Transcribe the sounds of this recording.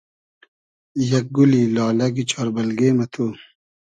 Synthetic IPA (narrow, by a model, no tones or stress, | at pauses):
jɐk̚ɡulilɑːlɐɡit͡ɕʰɔːɾbɐlɡeːmɐt̪ʰu